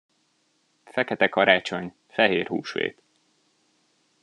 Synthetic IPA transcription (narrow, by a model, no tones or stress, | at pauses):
fɛkɛt̪ɛkɒɾaːt͡ʃo̞ɲ | fɛɦeːrhṵːʃʋḛːt̪